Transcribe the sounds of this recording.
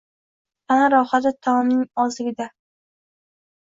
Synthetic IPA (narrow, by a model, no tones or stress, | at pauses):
anaɾɒhad̪at̪ʰːɒmnɪŋɒzɪɡʲɪd̪a